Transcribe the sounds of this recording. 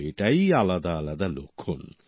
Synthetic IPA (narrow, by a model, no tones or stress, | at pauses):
eʈajalad̪aːlad̪alo̰kʰon